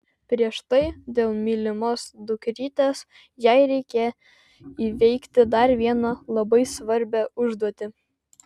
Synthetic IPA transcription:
pʲɾʲiɛʃt̪ɐɪd̪ʲeːlˠmʲiːlʲɪmoːsd̪ʊkʲɾʲiːt̪ʲeːs | jɛɪɾʲɛɪkʲɛ | iːʋʲɛɪkt̪ʲɪd̪ɐɾʋʲiɛnɐlˠɐbɐɪsʋɐɾʲbʲæʊʒd̪uɔt̪ʲɪ

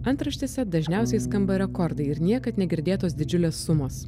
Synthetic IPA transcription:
ɐnt̪ɾɐʃʲt̪ʲɪsʲɛd̪ɐʒʲnʲɛˑʊsʲɛɪskɐmbɐɾʲɛkɔɾd̪ɐɪɪɾnʲiɛkɐt̪nʲɛɡʲɪɾʲd̪ʲeːt̪oːsd̪ʲɪd͡ʒʲʊlʲeːsːʊmoːs

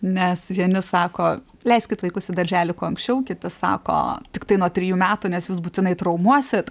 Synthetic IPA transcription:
nʲɛsʋʲiɛnʲɪsɑːkoː | lʲɛɪsʲkʲɪt̪ʋɐɪkʊsʲɪd̪ɐʒʲæːlʲɪkuɔɐŋksʲt͡ʃʲɛʊkʲɪt̪ʲɪsɑ̰ːko̰ːt̪ʲɪkt̪ɐɪnuɔt̪ʲɾʲɪjuːmʲæːt̪unʲɛsjuːs̬buːt̪ʲɪnɐɪt̪ɾɐʊmuɔsʲɪt̪

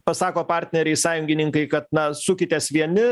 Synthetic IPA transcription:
pɐsɑːkoːpɑːɾʲt̪ʲnʲɛɾʲɛɪsɑːjʊŋʲɡʲɪnʲɪŋkɐɪkɐt̪nɐsʊkʲɪt̪ʲeːsʋʲiɛnʲɪ

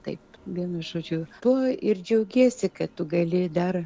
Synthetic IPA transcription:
t̪ɐɪpʋʲiɛnɐʒoːd͡ʒʲʊt̪uɔɪrd͡ʒʲɛʊɡʲiɛsʲɪkɐttʊɡɐlʲɪd̪ɐr

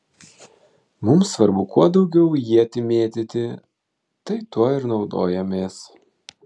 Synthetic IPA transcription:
mʊmsːʋɐɾbʊkʰuɔd̪ɒʊɡʲɛʊjiːɐt̪ʲɪmʲeːt̪ʲɪt̪ʲɪ | t̪ɐɪt̪uɔɪɾnɒʊd̪o̰ːjɛmʲeːs

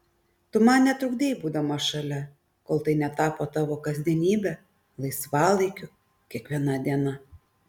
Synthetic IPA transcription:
t̪ʊmɑnnʲɛt̪ɾʊɡd̪ʲeːjbuːd̪ɐmɐʃɐlʲɛ | koːlˠt̪ɐɪnʲɛt̪ɑːpoːt̪ɑːʋoːkɐzʲd̪ʲiɛnʲiːbʲɛ | lˠɐɪsʋɑːlˠɐɪkʲʊ | kʲiɛkʋʲiɛnɐd̪ʲiɛnɐ

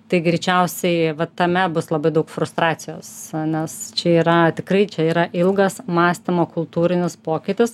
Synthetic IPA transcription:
t̪ɐɪɡɾʲɪt͡ʃʲɛʊsʲɛɪʋɐt̪ɐmʲɛbʊslˠɐbɐɪd̪ɐʊkfɾʊst̪ɾɑːsʲɪjoːsnʲɛst͡ʃʲɛiːɾɐt̪ʲɪkɾɐɪt͡ʃʲɛiːɾɐʔɪlˠɡɐsmɑːsʲt̪ʲɪmoːkʊlˠt̪uːɾʲɪnʲɪspoːkʲɪt̪ʲɪs

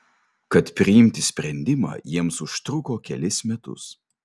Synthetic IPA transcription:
kɐt̪pʲɾʲɪɪmʲt̪ʲɪsʲpʲɾʲɛnʲd̪ʲɪmɑ̰ːjiɛmsʊʃt̪ɾʊkoːkʲɛ̰lʲɪsmʲɛt̪ʊ̰s

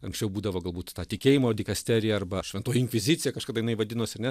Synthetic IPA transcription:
ɐŋksʲt͡ʃʲɛʊbuːd̪ɐʋoːɡɐlˠbuːt̪t̪ɑːt̪ʲɪkʲeːjɪmoːdʲɪkɐsʲt̪ʲæːɾʲɪjɛɐrbɐʃʲʋʲɛnt̪oːjɪŋʲkʲʋʲɪzʲɪt̪t͡sʲɪjɛkɐʃkɑd̪ɑːjɪnɐɪʋɐd̪ʲɪnoːsʲɐɾnʲɛ

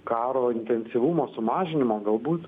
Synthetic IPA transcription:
kɑːɾoːɪnʲt̪ʲɛnʲsʲiʋʊmoːsʊmɑːʒʲɪnʲɪmoːɡɐlˠbuːt̪

